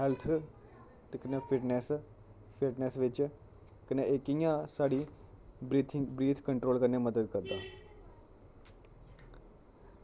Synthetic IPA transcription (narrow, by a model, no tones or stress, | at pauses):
ɦɛlt̪ʰ | t̪kəneːpʰɪʈnɛs | pʰɪʈnɛːsʋɪt͡ʃ | kəneɪkijãːsaːɽiː | t̪ʰbɾiːt̪ʰkəɳʈɾoːlkəɾneːməd̪əd̪kəɾd̪aː